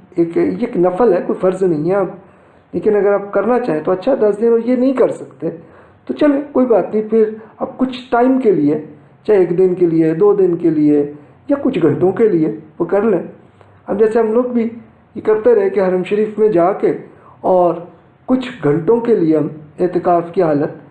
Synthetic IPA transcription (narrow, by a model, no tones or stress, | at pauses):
eːkjeːknɐfəlɦɛkoːifɐɾznɐɦĩɦɛɐb | leːkɪnɐɡəɾaːp̚kɐɾnat͡ʃaːɦẽt̪oɐtːʃʰad̪ɐsd̪ɪnɔːɾjenɐɦĩkɐɾsɐkt̪e | t̪ot͡ʃɐlẽːkoːibaːt̪nəɐɦĩpʰɪɾɐb̚kʊt͡ʃʰʈaːɪmkelie | t͡ʃaːeːkd̪ɪnkelied̪oːd̪ɪnkelie | jakʊt͡ʃʰɡʱɐ̃ɳʈõkelieʋokɐɾlẽː | ɐb̚d͡ʒɛːseɦɐmloːɡbʱi | jekɐɾt̪eɾɐɦẽkeɦɐɾəmʃəɾiːfmẽd͡ʒaːke | ɔːɾ | kʊt͡ʃʰɡʱɐ̃ɳʈõkelieɦɐmeːt̪ɪkaːfkiɦaːlət̪̚